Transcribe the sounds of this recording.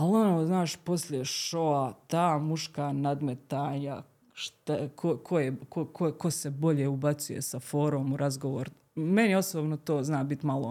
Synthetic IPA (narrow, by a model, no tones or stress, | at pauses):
alonoːznaːʃpo̞sljeʃoat̪aːmuʃkanad̪met̪aːɲa | ʃt̪akʰokʰojekokʰokosebo̞ʎeubat̪sujḛsafo̞ːɾoːmuɾazɡoʋoːɾ | menjeo̞soːbnot̪oːznaːbit̪malo